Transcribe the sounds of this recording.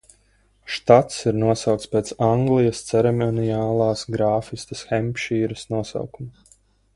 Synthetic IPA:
ʃt̪at̪siɾnuɔsɑwkt̪spʲeːt̪saŋɡlˠijɐst̪sɛɾɛmɔnijaːlˠɑːsɡɾaːfist̪ɐsxɛmʲpʲʃiːɾɐsnuɔsa̰wkumu

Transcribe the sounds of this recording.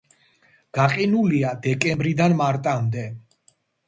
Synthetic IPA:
ɡ̥aqʼinuliad̪ɛkʼɛmbɾid̪anmaɾt̪ʼamd̪ɛ

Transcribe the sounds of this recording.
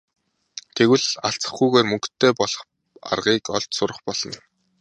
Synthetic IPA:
t̪ʰeɣwɘ̆ɮaɬt͡sə̥̆χujɣeːrmɵŋkt̪ʰːeːpɔɮɞ̆χ | a̰rʁiːkɔɮt͡ɕ̪sʊɾə̆χpɔɮ̥ɞ̆n

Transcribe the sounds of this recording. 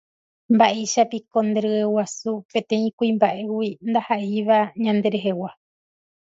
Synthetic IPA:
mbaʔeʃapiko̞nd̪eɾɨewasupẽ̞t̪ẽ̞ĩkuĩmbaʔe̞wind̪ahaʔiʋaɲãnd̪e̞ɾe̞ɦewa

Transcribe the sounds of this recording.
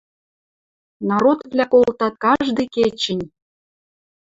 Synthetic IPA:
nɑɾot̪vlʲækolt̪ɑt̪̚kɑʒd̪ĕket͡ɕɘ̆nʲ

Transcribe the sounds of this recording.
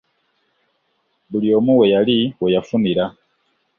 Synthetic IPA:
βulio̞ːmuwe̞jaliwejafuniɾa

